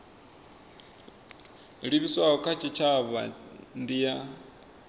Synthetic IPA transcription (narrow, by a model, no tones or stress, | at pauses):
ɺiβiswaɦɔkʰat͡ʃʰit͡ʃʰaβa̰ndija